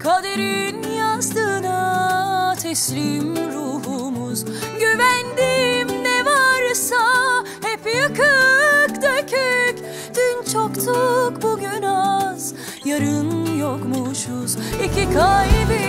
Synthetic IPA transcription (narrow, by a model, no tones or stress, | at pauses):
kʰad̪eɾinjanst̪ʰɯːna | t̪ʰɛslʲimɾuɦumuz̥ɟyvænd̪imnɛvaɾɯsa | hepijakʰɯkd̪øcʰyc | d̪̥ynt͡ʃʰokt̪ʰukbuɟynaz̥ | jaɾɯnjokmuʃuzicʰikʰajibi